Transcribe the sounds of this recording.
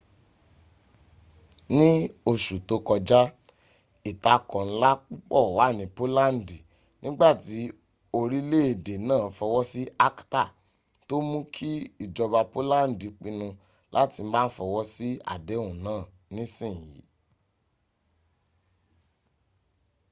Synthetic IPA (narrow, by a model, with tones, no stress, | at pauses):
nĩ˦o˨ʃu˨to˧˦kɔ˧d͡ʒa˦ | i˨ta˧kɔ̃˨n̩˦la˦k͡pu˦k͡pɔ˦˨wa˨˦˨nĩ˨po˦la˦n̩˨di˨ | nʔĩ˦ɡ͡ba˦˨ti˨˦ | o˧ɾi˦le˦˨e˨de˨nãː˦˨˦fɔ˧wɔ˦si˦a˦kta˦˨ | to˦mũ˦kʰi˦i˦˨d͡ʒɔ˧ba˧po˦la˦˨n˨di˨k͡pĩ˧nũ˧ | lʔa˦ti˧m̩˦ba˦n̩˦fɔ˧wɔ˦si˦a̰˨de˨˦ũ˨nãː˦˨ | nĩ˦sĩ˦˨jḭ˨˦